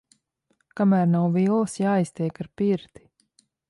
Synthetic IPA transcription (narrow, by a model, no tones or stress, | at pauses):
kamæːɾnawvilˠsjaːist̪ʲɛjkaɾpiɾt̪i̥